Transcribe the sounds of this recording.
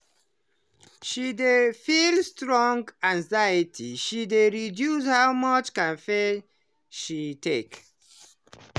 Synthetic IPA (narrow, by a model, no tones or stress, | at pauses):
ʃidefilstɹɔ̃ŋɡãŋzajətʰiʃideɹidjus̬hawmʌt͡ʃkãnfe | ʃitʰek